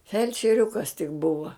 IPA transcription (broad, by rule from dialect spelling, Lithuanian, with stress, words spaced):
fʲɛlʲt͡ʃʲɛˈrʲʊkɐs tʲɪk ˈbʊʋɐ